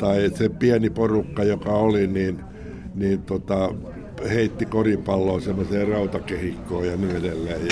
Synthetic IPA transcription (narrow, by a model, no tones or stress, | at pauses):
t̪ɑisepiæniporukːɑjokɑoliniːn | niːnt̪ot̪ɑ | heit̪ːikoripɑlːoːsemːoseːrɑut̪ɑkehikːoːjɑnyedelːæi